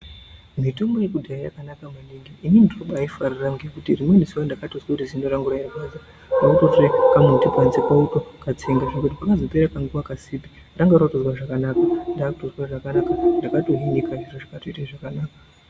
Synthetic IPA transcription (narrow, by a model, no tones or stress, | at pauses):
mitombo̞jekudʱaija̰kanakamaniŋɡiinindinoɓaifariraŋɡejekutirimwemisiwandakatozwakutizindoɾaŋɡuɾairakaːza | nakutotrekamotipant͡sekautokat͡seŋɡaʐiɡotipakazo̞peɾakaŋɡuʋakasipi | raŋɡaɾatozwaʐakanaːkandaːkutozwaʐakanakandakato̞ɦinikaʐiroʐakatoitaʐakanaːka